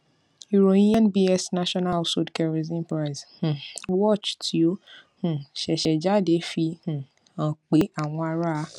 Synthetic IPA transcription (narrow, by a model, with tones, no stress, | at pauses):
u˨ɾo˨nĩ˦ã˦nbi˦ɛ˦sna˦ʃɔ˦na˦lso˦˨dkɛ˧ɾe˨zĩ˦npɾa˦i˨zh̩˨wɔ˦˨t͡ʃtʰi˨˦o˦hũ˨ʃɛ˨ʃɛ˨d͡ʒa˦˨de˨˦fi˧hũ˨ | ã˨k͡pe˨˦a˦˨w̃ɔ̃˧a˧ɾa˦